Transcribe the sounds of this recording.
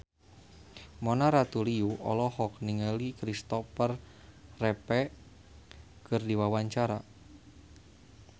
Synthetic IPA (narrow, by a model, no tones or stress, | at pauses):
mɔnaɾat̪uliuʔɔ̰lɔhɔk̚niŋəlikɾist̪ɔfərː | ɛpɛ | kɨrdiwawaɲt͡ʃaɾa